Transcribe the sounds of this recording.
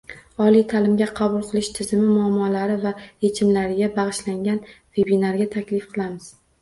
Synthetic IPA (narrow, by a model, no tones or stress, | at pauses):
ɒlijt̪ʰalɪmɡʲaqʰɑbʊlˠqʰɨlˠɪʃt̪ʰɪzɪmɪmʊamːɒlaɾɪvajet͡ʃʰɪmlaɾɪɡʲabaʁɨʃlaŋɡʲan | ve̞binaɾɡʲat̪ʰakʲlɪfqʰɨlˠamɪz̥